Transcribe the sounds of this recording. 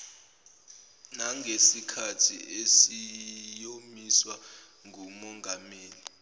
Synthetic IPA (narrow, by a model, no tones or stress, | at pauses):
naŋʱesikʰatʰḭesijomiswa | ŋʱumɔŋʱameːli